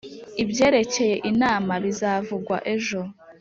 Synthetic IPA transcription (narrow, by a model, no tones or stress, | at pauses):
ibje̞ːɾe̞ce̞je̞ʔinaːmaβizaːvuɡwa̰ʔe̞ʒo̞